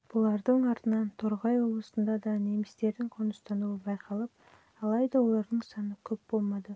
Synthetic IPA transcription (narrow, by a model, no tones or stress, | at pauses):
b̥ʊlˠɑɾd̪əɴɑɾt̪ənɑnt̪ʰoɾʁɑjwo̞blˠəsənd̪ɑd̪ɑnemɪst̪e̞ɾd̪ɪŋqʰonəst̪ɑnuəbɑjqʰɑlˠəp̚ | ɑlˠɑjd̪ɑwo̞lˠɑɾd̪əɴsɑnəkʲʰɵp̚b̥o̞lˠmɑd̪ə